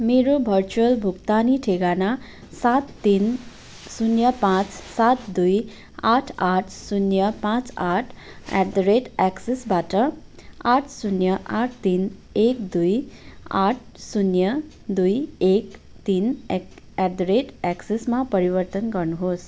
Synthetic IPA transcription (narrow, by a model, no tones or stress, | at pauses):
meɾobʱʌrt͡suʌlbʱukt̪aniʈʰeɡana | sat̪ːin | sunjʌpãt͡ssat̪d̪uj | aʈʰaʈʰsunjʌpãt͡saʈʰ | a̰d̪ɾeʈaksesbaʈʌaʈʰsunjʌʔaʈʰt̪in | ek̚d̪uja̰ʈʰsunjʌ | d̪ujek | t̪in | ad̪ɾeʈaksesmapʌɾibʌrt̪ʌnɡʌrnuɦos